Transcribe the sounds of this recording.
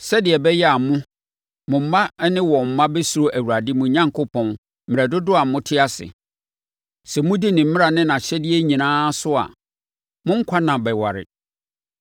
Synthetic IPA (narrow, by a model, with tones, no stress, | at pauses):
sɛ˦dɪ˨ɛ˨bɛ˦jɛ˦a˨mʊ̃˦ | mʊ̃˨m̩˨ma˦nɪ̃˦wɔ˨m̩˨mã˦be˦su˨ɾo˦ʔæ˨wu˨ɾa˨dɪ˦mʊ̃˨ɲã˦ŋkʰʊ˦pʰɔ̃˨n̩˦ | m˨ɾɛ˨dʊ˦dʊ˦a˨m̩˦mʊ̃˦tʰɪ˦a˦sɪ̰˨ | sɛ˨mʊ̃˦di˦nɪ̃˨m̩˦mɪ̃˦ɾa˨nɪ̃˦nã˨ɕɛ˦dɪ˦ɛ˦ɲĩ˨nãː˦sʊ˦a̰˨ | mʊ̃˦ŋ̩˦kʷʰa˦nã˨bɛ˨wa̰˨ɾɪ̰˨